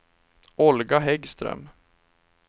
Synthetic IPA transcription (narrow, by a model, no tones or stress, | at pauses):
ɔlɡaɦɛɡst̪ɾœ̰m